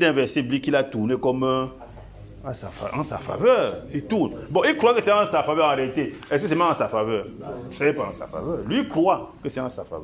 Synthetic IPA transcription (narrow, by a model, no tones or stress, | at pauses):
dɛ̃vɛsiblikilatunekɔm | ãsa̰fa̰ãsa̰fa̰vœit̪unbɔ̃ikɾwakəsɛãsafavɛãaɾɛt̪eɛskəs̬ɛmããsafavɛsɛjepaãsa̰fa̰vɛlɥikɾwakəsɛãsa̰fa̰vɛ